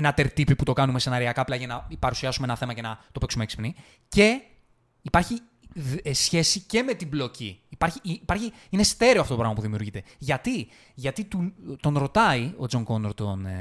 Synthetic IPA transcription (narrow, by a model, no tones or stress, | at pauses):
enɐt̪e̞ɾt̪ipiput̪o̞kɐnume̞se̞nɐɾiɐkɐplɐʝɐnɐipɐɾusiɐsumeenɐθe̞mɐce̞nɐt̪o̞peksumeeksi̥pni | ce̞ | ipɐɾçi | sçe̞sice̞me̞t̪iblo̞ciːpɐɾçipɐɾçi | inest̪e̞ɾioɐft̪otopɾɐɣmɐpuðimiuɾʝit̪e̞ʝɐt̪i | ʝɐt̪it̪ut̪o̞nɾo̞t̪ɐio̞d͡zo̞ŋɡo̞noɾt̪o̞n